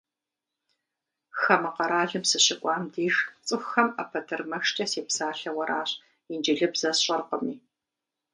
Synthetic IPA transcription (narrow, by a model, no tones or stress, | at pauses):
xɐmɐqɐɾaːɮɨmsɨɕɪkʷʼɑːmdiːʒt͡sʼɨxɐmɐpʰɐtʰɨrmɐxt͡ʃʼɐseːpsaːɬɐwɐɾʔaːɕ | ind͡ʒɪɮɨbz̥ɐsɕʼɐrqəmiː